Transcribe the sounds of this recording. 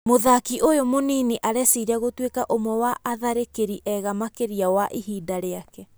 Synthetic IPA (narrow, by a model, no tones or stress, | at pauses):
moðakiʔojomoniniʔaɾɛsiɾaɣotwekaʔomwɛwaʔːðaɾekeɾiʔɛɣamakeɾiawaʔiɦiːdaɾeakɛ